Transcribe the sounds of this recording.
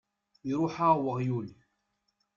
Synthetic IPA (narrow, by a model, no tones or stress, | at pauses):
iɾˤʊħawəʁjuli